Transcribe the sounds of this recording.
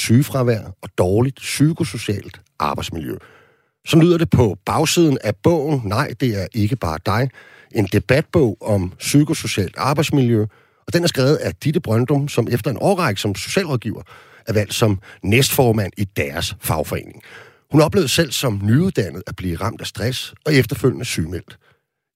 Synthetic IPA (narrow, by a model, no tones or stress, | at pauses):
syːfʁɑ̈ʋæɐ̰ɒ̽d̥ɒːlid̥sykʰo̝so̝ɕɛ̰ːld̥ | ʔɑ̈ːb̥ɑ̈ɪd̥smiljø̰ | sɒ̽mly̰ð̰ˠɐd̥e̝pʰɒ̽b̥ɑ̈ʊsið̞ˠn̩æb̥ɔ̰̽ʊ̰n̩nɑ̈ɪ̰d̥e̝æɐʔe̝ɡ̥əb̥ɑ̈ːd̥ɑ̈ɪ | ʔe̝nd̥e̝b̥æd̥̚b̥ɔ̽ʊ̰ɒ̽msykʰo̝so̝ɕɛ̰ːld̥ɑ̈ːb̥ɑ̈ɪd̥smiljø | ɒ̽d̥enæɐsɡ̥ʁɛːʊð̞̩ˠæd̥id̥əb̥ʁɶnd̥ɒ̽msɒ̽mefd̥ɐe̝nʔɒːʁɑ̈ɪɡ̥sɒ̽mso̝̥ɕɛ̰ːlʁɒ̽ðˠɡ̥iːʊɐ | ʔæɐʋæl̰d̥sɒ̽mnesd̥fɒːmæn̰id̥æɐsfɑ̈ʊfɒe̝̰ːne̝ŋ | hunɒ̽b̥le̝ʊð̩ˠsel̰sɒ̽mnyuðˠd̥æn̰ð̞̩ˠæb̥liːʁɑ̈m̰d̥æsd̥ʁasɒ̽efd̥ɐføl̰jnəsyːmel̰d̥